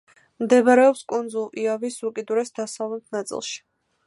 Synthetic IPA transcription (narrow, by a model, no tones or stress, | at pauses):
md̪ɛbaɾɛɔpskʼund̪zulˠiavisukʼid̪uɾɛsd̪asavlˠɛt̪̚ʰnat̪sʼḭlˠʃi̥